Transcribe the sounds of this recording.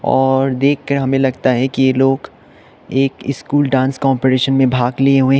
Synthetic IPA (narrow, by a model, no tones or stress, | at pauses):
ɔːɾd̪eːkʰːɐɾɦɐmẽlɐɡ̚t̪aɦɛkijeloːɡ | eːkɪskuːlɖãːnskɔːmpeɾeːʃənmẽbʱaːɡlieɦuẽ